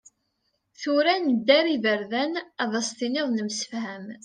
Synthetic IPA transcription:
θuɾænd̪ːæɾivəɾðænðˤɑst̪inɪðˤnəmsə̥fhæm

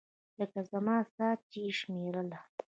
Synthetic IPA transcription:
ləkazamɑːsɑːt͡ʃiʃmeɾəla

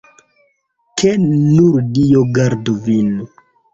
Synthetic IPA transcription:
kʰenuɾdijoɡaɾduvinu

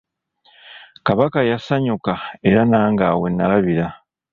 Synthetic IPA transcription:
kaβakajasaɲukae̞ɾanaːŋɡaːwe̞nːalaβiɾa

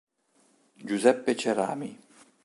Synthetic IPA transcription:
d͡ʒuzɛpːet͡ʃeɾa̰ːmi

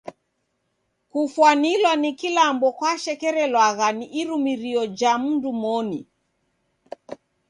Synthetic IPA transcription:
kufwanilwanikilambɔkwaʃɛkɛɾɛlwaɣaniʔiɾumiɾiɔd͡ʒamundumɔni

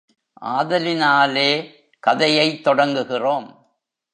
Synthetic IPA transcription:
ʔa̰ːðɐlɪnaːleː | kɐðɐjɐɪt̪ːɔɽɐŋɡɯɣɪroːm

